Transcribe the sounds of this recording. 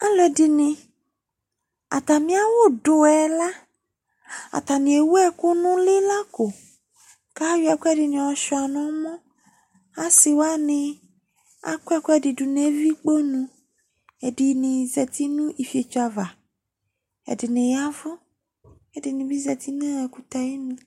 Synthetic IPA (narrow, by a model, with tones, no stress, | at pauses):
a˦lɔ˨˦ɛ˨dɪ˨nɪ̃˨ | a̰˨t̪a˨mĩ˦a˦wʊ˦dʊ˨ɛ˨la˦ | a̰˨t̪a˨nɪ̃˨e˨wu˦ɛ˦kʊ˦nʊ̃˦lɪ˦la˦kʊ˨ | ka˦wi˦a˨kʊ˦ɛ˦dɪ˨nɪ̃˨ɔ˨ʃɔ˨a˨nɔ̃˦mɔ̃˦ | a˦sɪ˨wa˦nɪ̃˨ | a̰˦kɛ˦kʊ˦ɛ˦˨dɪ˨dʊ˨ne˨˦vi˦k͡po˦nũ˦ | ɛ˨dɪ˨nɪ̃˨zɛ˨t̪i˦nũ˦ʔi˨fi˨e˨t͡ʃa˨va˨ | ɛ̰˨dɪ˨nẽ˨ja˦vʊ˦ | ɛ˨dɪ˨nɪ̃˨bi˦zɛ˨t̪i˦nã˦ɛ˨ku˦t̪a˨ji˦nũ˦